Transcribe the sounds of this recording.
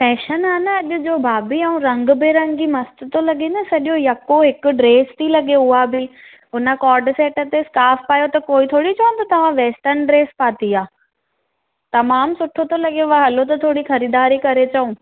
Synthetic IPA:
pɛːʃənaːnəɐʄʊd͡ʑoːbʱaːbiɐũɾɐ̃ŋɡʊbɪɾɐ̃ŋɡimɐst̪ʊ̆t̪olɐɠẽnɐsɐɗjojɐkoɦɪkʊɖɾeːst̪ʰilɐɠeʊɦabɪ | ʊnə̆kɔːɾɖseːʈə̆t̪eskaːfpaːjot̪ɐkoːit̪ʰoːɽit͡ɕɐũt̪ʰɐt̪ɐʋ̤ãʋeːsʈəɾnɖɾeːspaːt̪iaː | t̪ɐmaːmsʊʈʰot̪olɐɠeʋaɦɐlot̪ɐt̪ʰoːɽixɐɾiːd̪aːɾikɐɾet͡ɕɐũ

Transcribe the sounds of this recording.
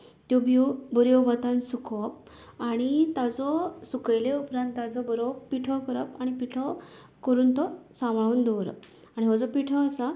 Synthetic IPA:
t̪jɔbjɔbɔɾjɔbat̪ãnsukʰʋɔp | aɽ̃it̪ad͡zɔsukəjleupɾãnt̪ːad͡zɔbɔɾɔpiʈʰɔkəɾəpaɽ̃ipiʈʰɔ | kəɾuːnt̪ɔsãmɭuːnd̪ɔʋɾə̰p | aɽ̃iɦɔd͡zɔpiʈʰɔːsa

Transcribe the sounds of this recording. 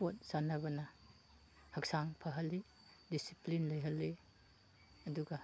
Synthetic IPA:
ot̚sanɐbɐnɐ | hɐk̚saŋpʰɐɦɐlːi | disiplinlɐjɦɐlːi | ɐduɡa

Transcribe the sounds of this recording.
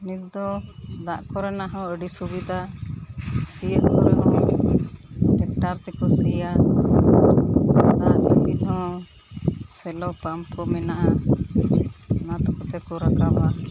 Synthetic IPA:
nik̪̚d̪ɔd̪aʔkɔɾɛnaɦɔ̃əɖisubid̪ʱa | sijəʔkɔɾɛt̪ɛ | ʈɛk̚ʈaɾt̪ɛkɔsɛja | t̪adɛbinɦɔ | sɛlɔpampkɔmɛnaʔa | nat̪ɔkɔt̪ɛkɔɾakaba

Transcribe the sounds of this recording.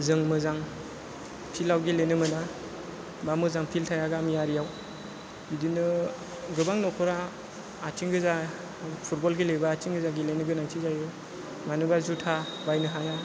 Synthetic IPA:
zɯŋmɯzaŋ | pʰilawɡilenɯmɯna | bamɯzaŋpʰiltʰajaɡamjaɾijaw | idinɯ | ɡɯbaŋnɔkʰɔɾaː | t͡ʃiŋɡɯza | pʰut̚bɔlɡilebaːt͡ʃiŋɡɯzaɡilenɯɡɯnaŋtʰizajɯ | manɯbazutʰabajnɯɦaja

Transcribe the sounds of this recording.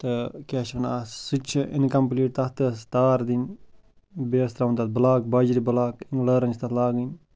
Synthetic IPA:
t̪ɨkeːʃʋɐnaːsɨt͡ʃʰiʔinkɐmpliːʈ̚t̪ɐt̪ɨst̪aːɾd̪in | beːst̪ɾaʋunt̪at̪̚bəlaːk̚bɐd͡ʒɾibəlaːkiŋɡləːɾɐnt͡ʃʰt̪ɐt̪laːɡin

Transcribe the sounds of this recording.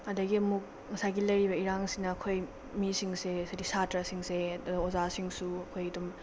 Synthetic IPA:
ɐdɐɡiɐmuk̚ | ŋɐsajɡilɐjɾibɐiɾaŋsinɐːkʰoj | misiŋsesajdisatɾasiŋseozasiŋsuɐkʰojɐdum

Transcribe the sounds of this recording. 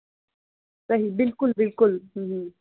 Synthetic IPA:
saɦibɪlkʊlbɪlkʊlh̩ɦ̩

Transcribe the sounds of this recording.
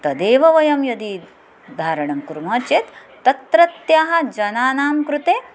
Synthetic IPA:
t̪ɐd̪eːʋɐʋɐjɐmjɐd̪i | d̪ʱaːɾɐɳɐmkuɾmɐːt͡ʃeːt̪ː | ɐt̪ɾɐt̪jaːɦɐ̆d͡ʒɐnaːnaːmkɾut̪eː

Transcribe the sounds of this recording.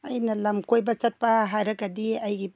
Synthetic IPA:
ɐjnɐlɐmkojbɐt͡ʃɐt̚pɐɦaɾɐɡɐdiɐjɡi

